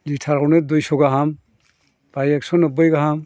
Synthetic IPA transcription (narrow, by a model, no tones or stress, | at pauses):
litʰaɾɔned̪ujsɔɡaɦam | pajek̚sɔnəbəjɡaɦam